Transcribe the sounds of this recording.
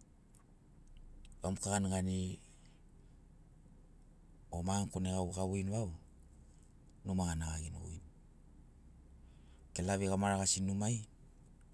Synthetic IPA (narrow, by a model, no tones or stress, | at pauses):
wamkaɣanɡani | omaŋkoneɣawɡaβujnβaw | numaɣanaɣaɡino̰ṵjn | kelaβiɣamaɾaɣasinumaj